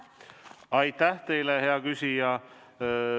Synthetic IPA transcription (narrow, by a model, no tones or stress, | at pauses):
ɑjt̪ˑːæht̪e̞jleɦe̞ɑkysʲijɑ